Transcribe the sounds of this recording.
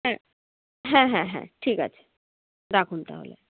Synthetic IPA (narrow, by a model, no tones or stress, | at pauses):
ɦɛ̃ | ɦɛ̃ɦɛ̃ɦɛ̰̃ʈʰiːka̰t͡ʃʰ | d̪akʰunt̪a̰ɦo̰ːlḛ